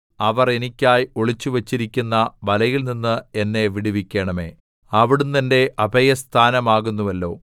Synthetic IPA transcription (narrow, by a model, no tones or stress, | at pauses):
ɐʋɐre̞nikʲːaːjoɭit͡ɕːuʋɐt͡ɕːiɾikʲːunːɐʋɐlɐjilninːɨenːe̞ʋiɽiʋikʲːe̞ːɳɐme̞̰ː | ɐʋiɽumt̪ɐnde̞ʔɐbʱɐjɐst̪ʰaːnɐmaːɣunːuʋɐlːo̞̰ː